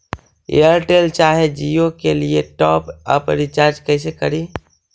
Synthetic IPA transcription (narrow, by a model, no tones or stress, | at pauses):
ḛjəɾʈeːlt͡ʃaːɦed͡ʒiokelieʈɔːpə̰pɾɪt͡ʃaːɾd͡ʒkɛːs̬ekəɾiː